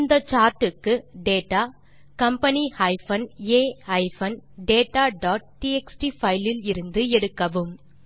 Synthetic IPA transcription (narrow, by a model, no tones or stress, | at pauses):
nd̪ɐt͡ʃaːɾʈɯkːɯɖeːʈːaː | kɐmpɐnihɐɪfɐneːhɐɪfɐnɖeːʈaːɖɔːʈ̚ʈiɛksʈifɐɪlɪlɪɾɯnd̪ɯɛɽɯkːɐʋɯm